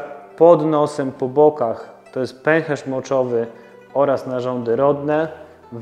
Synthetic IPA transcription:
pɔd̪nɔsɛmpɔbɔkaxt̪ɔjɛst̪̚pɛŋxɛʂmɔt͡ʂɔvɘ | ɔɾasnaʐɔnd̪ɘɾɔd̪nɛ | v

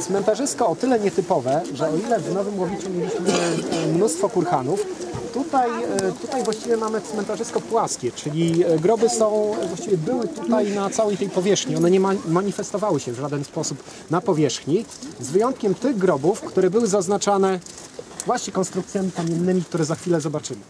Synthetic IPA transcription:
t̪smɛnt̪aʐɘst̪kɔːt̪ɘlɛɲɛt̪ɘpɔvɛʐɛɔilɛvnɔvɘmwɔvʲit͡ʂumʲjɛi | mnust̪fɔkuɾxanuft̪ut̪ajt̪ut̪ajvwaɕt͡ɕivʲjɛmamɘt̪smɛnt̪aʐɘskɔpwaskʲɛt͡ʂɘlʲiɡɾɔbɘsɔ̃w̃vwaɕt͡ɕivʲjɛbɘwɘt̪ut̪ajnat̪sawɛjt̪ɛjpɔvʲjɛʂxɲiɔnɛɲɛmamaɲifɛst̪ɔvawɘɕɛvʐad̪ɛnspɔsup | napɔvʲjɛʂxɲizvɘjɔnt̪kʲɛmt̪ɘɣɡɾɔbufkt̪uɾɛbɘwɘzaznat͡ʂanɛ | vwaɕɲɛkɔnst̪ɾuk̚t̪sʲjamʲikamʲjɛnːɘmʲik̚t̪uɾɛzaxfʲilɛzɔbat͡ʂɘmɘ

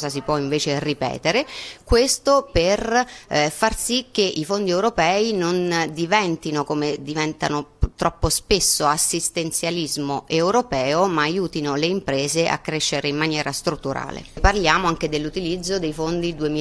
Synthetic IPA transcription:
zas̬ipwɔiɱveːt͡ʃeripɛ̰ːt̪eɾekwest̪oper | farsikːeʔifond̪iɛwɾopɛːinond̪ivɛnt̪inokomed̪ivɛnt̪a̰not̪ɾʔɔpːospesːoasːist̪ent̪sjalizmoʔewɾopɛːomaːjuːt̪inoleimpɾeːzeʔa̰kːɾeʃːeɾeimːanjɛːɾast̪ɾut̪ːuɾa̰ːlḛparljaːmoaŋk̟ed̪elːut̪ilid̪zːod̪ejfond̪id̪uemi

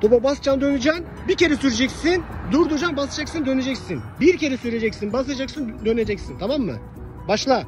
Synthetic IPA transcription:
t̪ʰobabasd͡ʒand̪ønyd͡ʒan | biɾcʲʰe̞ɾɛsyɾed͡ʒekʲsind̪uɾd̪ud͡ʒanbasɯd͡ʒaksɯnd̪øned͡ʒekʲsinbiɾkʰʲe̞ɾɛsyɾed͡ʒekʲsinbasɯad͡ʒaksɯnd̪øned͡ʒekʲsint̪ʰɑmamːɯ̰ | bɑʃlˠa

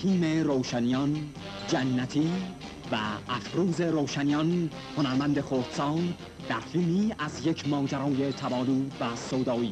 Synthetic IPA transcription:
iːme̞ɾowʃænijɒn | d͡ʒænːæt̪ʰiː | væʔːfɾuːze̞ɾoːʃænijɒn | honæɾmænd̪e̞xod̪̥sɒːn | d̪æɾfilmiːæzje̞cʰmɒːd͡ʒæɾɒːje̞t̪ʰæbɒːluːvæsoːd̪ɒːiː

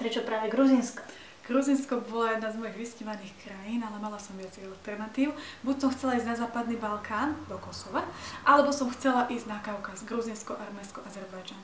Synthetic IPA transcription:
pɾɛt͡ʃɔpɾaːʋɛɡɾuzinskɔ̥ | ɡ̥ɾuzinskɔbɔlajɛd̪naːzmɔjiɣʋisciʋaniːxkɾajiːnalɛmalasɔmʋɪat͡sɛjalt̪ɛɾnat̪iːʊbucsɔmxt͡sɛlaiːznazaːpad̪nibalkʰaːnd̪ɔkɔsɔʋaʔalɛbɔsɔmxt͡sɛlaʔiːznakaʊkazɡɾuzinskɔʔaɾmɛnskɔʔazɛɾbajd͡ʒan

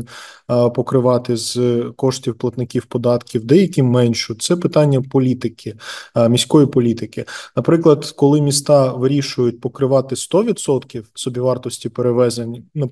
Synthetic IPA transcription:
pɔkɾɪʋɑt̪ɪzkɔʃtʲiwplˠɐt̪nɪkʲiwpɔd̪ɑt̪kʲiwd̪ɛjɐkʲimɛnʲʃʊt̪sɛpɪt̪ɑnʲːɐpɔlʲit̪ɪkɪmʲisʲkɔjipɔlʲit̪ɪkɪnɐpɾɪklˠɐd̪kɔlˠɪmʲist̪ɑʋɪɾʲiʃʊjʊt̚ʲpɔkɾɪʋɑt̪ɪst̪ɔʋʲid̪sɔt̪kʲiwsɔbʲiʋɑrt̪ɔsʲtʲipeɾeʋɛzenʲnɐ

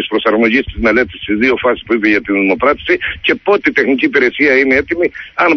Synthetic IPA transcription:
ispɾo̞sɐɾmo̞ʝist̪izme̞le̞t̪ist̪izðio̞fɐsi̥spuipeʝɐt̪inðimo̞kɾɐt̪i̥sice̞po̞t̪eit̪e̞xniciːpiɾe̞siɐinee̞t̪imiɐn

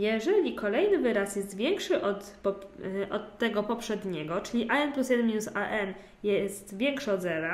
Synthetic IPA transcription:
jɛʐɛlʲikɔlɛjnɘvɘɾasjɛst̪vʲjɛŋkʂɘʔɔt̪pɔʔɔt̪ːɛɡɔpɔpʂɛd̪ɲɛɡɔt͡ʂɘlʲiʔaɛnplusjɛd̪ɛnmʲinusaʔɛn | jɛst̪vʲjɛŋkʂɔd̪zɛɾa

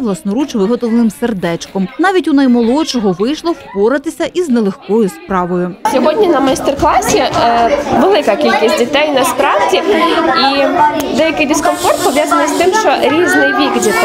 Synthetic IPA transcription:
ʋlˠɐsnɔɾut͡ʃʋɪɦɔt̪ɔlenɪmserd̪ɛt͡ʃkɔmnɑʋʲitʲunɐjmɔlˠɔt͡ʃɔɦɔʋɪjʃlˠɔwpɔɾɪt̪ɪsʲɐʔiznɛlˠexkɔjʊspɾɑʋɔjʊsʲɔɦɔdʲnʲinɐmɐjst̪erklˠɑsʲi | ʋelˠɪkɐkʲilʲkʲisʲt̚ʲdʲit̪ɛjnɐspɾɑʋdʲiid̪ɛjɐkɪjd̪ɪskɔnfɔrt̪̚pɔʋʲjazɐnɪjst̪ɪmʃt͡ʃɔɾʲiznɪjʋʲikdʲit̪

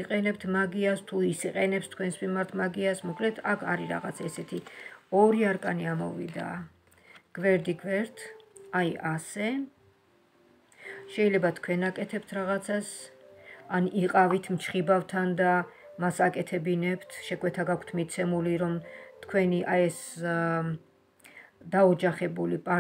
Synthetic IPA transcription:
iqʼɛnɛpt̪ʰmaɡiast̪ʰuisiqʼɛnɛpst̪ʰkʰwɛnsmimaɾt̪ʰmaɡiasmɔkʼlɛt̪ʰakʰaɾiɾa̰ʁa̰t̪sʰɛsɛt̪ʰiɔɾiaɾkʼaniamɔ̰vḭd̪a̰ | ɡ̥vɛɾd̪iɡvɛɾt̪ʰajasɛ | ʃɛilɛbat̪ʰkʰwɛnakʼɛt̪ʰɛpt̪ʰɾaʁat̪sʰas | aniqʼavit̪ʰmt͡ʃʰχibavt̪ʰand̪a | masakʼɛt̪ʰɛbinɛpt̪ʰʃɛkʼwɛt̪ʰaɡakʰt̪ʰmit̪sʰɛmuliɾɔmt̪ʰkʰwɛniʔaɛs | d̪aɔd͡ʒaχɛbulipʼa

